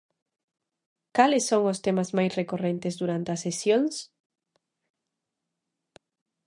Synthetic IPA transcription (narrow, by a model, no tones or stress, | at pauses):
kalɪsːoŋost̪emazmajsrekorent̪ezðuɾant̪eɐsesjõŋs